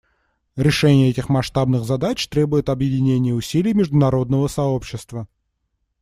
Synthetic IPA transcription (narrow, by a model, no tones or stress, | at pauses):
ɾʲɪʂɛnʲɪjəɛtʲɪxmɐʂt̪abnɨɣzɐd̪at͡ɕt̪ɾʲe̞bʊjɪt̪ɐbjɪdʲɪnʲenʲɪjəʊsʲilʲɪjmʲɪʐd̪ʊnɐɾo̞d̪nəvəsɐopɕːɪst̪və